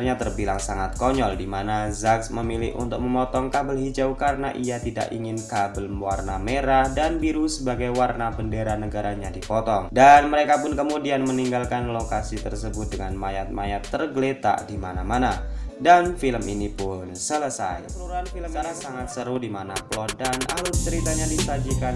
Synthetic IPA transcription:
rɲat̪ərbilaŋsaŋat̪̚kɔɲɔldimanazaksməmilɪhʔṵnt̪ʊk̚məmɔt̪ɔŋkabəlɦid͡ʒawkaɾənaʔiat̪ida̰ʔḭŋɪnkabəlmwarnameɾahdanbiɾusəbaɡajwarnabəndeɾanəɡaɾaɲadipɔt̪ɔŋdanməɾekapʊnkəmudianməniŋɡalkanlokasit̪ərsəbʊt̪̚dəŋanmajat̪̚majat̪ːərɡəlet̪a̰ʔdimanamanadanfiləmʔḭnipʊnsələsa̰jpəɾuɾuanfiləmanasaŋat̪̚səɾuhdimanaplɔdana̰lʊt͡ʃəɾit̪aɲadisad͡ʒikan

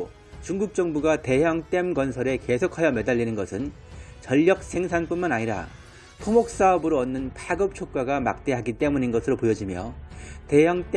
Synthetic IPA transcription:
t͡ɕuŋɡuk̚t͡ɕ͈ʌŋbuɡate̞ɦjaŋt͈e̞mɡʌnsʰʌɾe̞ke̞sʰokʰajʌme̞daʎːinɯnɡʌsʰɯn | t͡ɕʌʎːʌk̚sʰe̞ŋsʰanp͈unmanaɲiɾa̰ | tʰomok̚s͈aʌbɯɾoʌnːɯnpʰaɡɯp̚t͡ɕʰok̚k͈aɡama̰k̚t͈e̞ɦaɡit͈e̞muɲinɡʌsʰɯɾopojʌd͡ʑimjʌte̞jaŋt͈

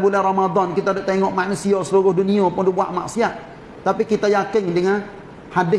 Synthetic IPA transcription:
bulɛhromad̪ɔnkit̪adaʔ̚t̪eŋɔʔmaʔnusiosəluɾʊhduniopʊndibuaʔma̰ʔsiaʔ | t̪apikit̪ajakɪŋdəŋan | hadɪ

